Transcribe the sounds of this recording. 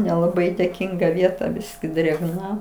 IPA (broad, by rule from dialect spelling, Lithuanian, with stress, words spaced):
nʲɛlˠɐˈbɐɪ dʲeːˈkʲɪŋɡɐ ˈʋʲiɛtɐ ˈbʲɪsʲkʲɪ dʲrʲeːɡˈnɐ